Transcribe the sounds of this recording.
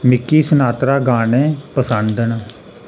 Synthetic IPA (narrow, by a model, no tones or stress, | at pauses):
mɪkːiːsənaːt̪ɾaːɡaːnẽːpəsənd̪ən